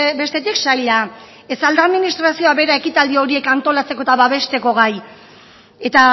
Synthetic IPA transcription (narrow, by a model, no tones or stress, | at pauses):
be̞st̪e̞t̪iksajʎa | e̞sald̪aðminist̪ɾasio̞aβe̞ɾae̞kit̪ald̪io̞ɾie̞kant̪o̞lat͡se̞ko̞t̪aβaβe̞st̪e̞ko̞ɣ̞aj | e̞t̪a